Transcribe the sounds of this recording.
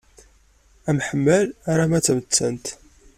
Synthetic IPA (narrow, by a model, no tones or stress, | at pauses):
æmħəmːælaɾˤamæt͡sːæmət͡sːænt̪